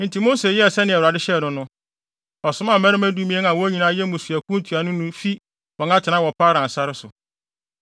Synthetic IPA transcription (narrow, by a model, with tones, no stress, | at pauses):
n̩˨tʰi˨mo˦se˨jɛ˦˨sɛ˦nɪ̃˨ɛ˨wɾa˨dɪ˦ɕɛ˦˨nʊ̃˦nʊ̃˦ | ɔ˨sʊ˦mã˦˨mæ̃˦ɾɪ̃˦mæ̃˦du˦mĩ˦ɛ˦n˦ã˨wɔ˦ɲĩ˨nã˦jɛ˦mũ˨su˨æ˨kʰũ˦n˦tʰu˨a˨nʊ̃˦nʊ̃˦fi˦ | ɔ̃˨ŋã˦tʰɪ˨nã˦wɔ˨pʰa˦ɾã˨n̩˨sa˦ɾɪ˦sʊ˨